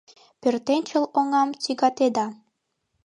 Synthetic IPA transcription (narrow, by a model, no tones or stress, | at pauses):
pørt̪enʲt͡ɕə̆loŋɑmt͡siɡɑt̪ed̪ɑ